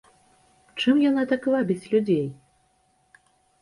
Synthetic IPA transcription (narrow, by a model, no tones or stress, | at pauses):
t͡ʂɨmjanat̪akvabʲit͡sʲlʲud͡zʲej